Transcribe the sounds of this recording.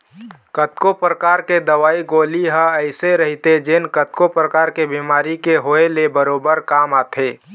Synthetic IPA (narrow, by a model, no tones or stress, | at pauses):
kət̪kopɾəkaːɾked̪əʋaːiɡoːliɦəəɪseɾəɦit̪ed͡ʒenkət̪kopɾəkaːɾkebimaːɾikeɦoelebəɾoːbəɾkaːmaːt̪ʰeː